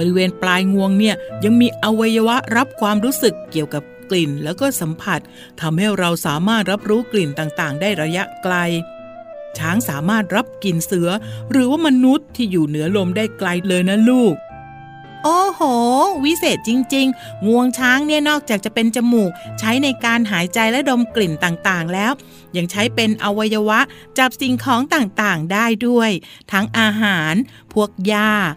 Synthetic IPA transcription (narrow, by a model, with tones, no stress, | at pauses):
bɔ˧ɾi˦˥weː˧nplaː˧jŋu˧əŋni˥˩ɐja˧ŋmiː˧ʔa˧wa˧jːa˧wa˦˥ʔɾa˦˥p̚kʰwaː˧mɾuː˦˥sɯ˨˩kːi˨˩əwka˨˩p̚kli˨˩nlɛː˦˥wkɔː˥˩sa˩˦mpʰa˨˩t̪̚ʰːa˧mha˥˩jɾa˧wsaː˩˦maː˥˩t̪̚ɾa˦˥p̚ɾuː˦˥kli˨˩nt̪aː˨˩ŋt̪aː˨˩ŋdaː˥˩jɾa˧ja˦˥ʔkla˧j | t͡ɕʰaː˦˥ŋsaː˩˦maː˥˩t̪̚ɾa˦˥p̚ki˨˩nsɯ˩˦ɐɾɯː˩˦waː˥˩ma˧nu˦˥t̪ʰːiː˥˩juː˨˩nɯ˩˦ɐlo˧mdaː˥˩jkla˧jlɤː˧jna˦˥luː˥˩k̚ | ʔoː˧hoː˨˩wi˦˥seː˨˩t̪̚t͡ɕi˧ŋt͡ɕi˧ŋ | ŋu˧əŋt͡ɕʰaː˦˥ŋni˥˩ɐnɔː˥˩k̚t͡ɕaː˨˩k̚t͡ɕa˨˩pe˧nt͡ɕa˧muː˨˩k̚t͡ɕʰa˦˥jna˧jkaː˧nɦaː˨˩˦jt͡ɕa˧jlɛ˦˥do˧mkli˨˩nt̪aː˨˩ŋt̪aː˨˩ŋlɛː˦˥w | ja˨˩ŋt͡ɕʰa˦˥jpe˧nʔa˧wa˧jːa˧wa˦˥ʔ | t͡ɕa˨˩p̚si˨˩ŋkʰɔː˨˦ŋt̪aː˨˩ŋt̪aː˨˩ŋdaː˥˩jdu˥˩əj | t̪ʰa˦˥ŋʔaː˧ɦaː˩˦n | pʰu˥˩ək̚jaː˥˩